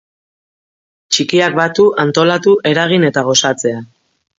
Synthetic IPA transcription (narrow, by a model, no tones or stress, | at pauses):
t͡ʃikiak̚bat̪uʔant̪o̞lat̪uʔe̞ɾaɣ̞ine̞t̪aɣ̞o̞sat͡se̞a